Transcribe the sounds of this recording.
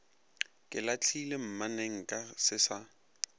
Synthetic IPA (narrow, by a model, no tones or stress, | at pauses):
kʼɪlat͡ɬʰilem̩maneŋ̩kʼasɪsa